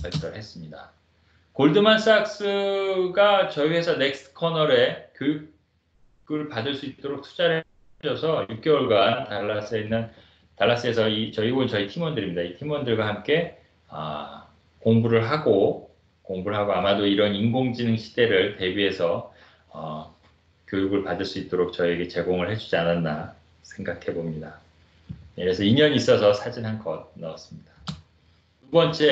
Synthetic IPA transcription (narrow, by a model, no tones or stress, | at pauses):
pas͈ʌɾɯɭɦe̞s͈ɯmɲida | koɭdɯmans͈ak̚s͈ɯɡat͡ɕʌie̞sʰʌne̞k̚s͈ʰɯ̥kʰʌnʌɾe̞kjojuk̚ | ɡɯɭpadɯɭs͈uit͈oɾok̚tʰu̥d͡ʑaɾɯ | d͡ʑʌsʰʌjuk̚k͈euɭɡwantaɭːas͈enːɯn | taɭːas͈ɯe̞sʰʌit͡ɕʌiɡoɯt͡ɕʌitʰimwʌndɯɾimɲidaitʰimwʌndɯɭɡwaɦamk͈e̞ | ʌ̰ | koŋbuɾɯɭɦaɡo | koŋbuɯɭɦaɡoamadoiɾʌninɡoŋd͡ʑinɯŋɕʰi̥de̞ɾɯɭte̞biɦe̞sʰʌ | ʌ | kjojuɡɯɭpadɯɭs͈uit̚t͈oɾok̚t͡ɕʌieɡe̞t͡ɕe̞ɡoŋɯɭhe̞d͡ʑud͡ʑiananːa | sʰe̞ŋɡakʰe̞bomɲida | jekɾesʰʌiɲʌɲis͈ʌsʰʌsʰad͡ʑinɦankʌd̚naʌs͈ɯmɲid̥a | tubʌnt͡ɕʰe̞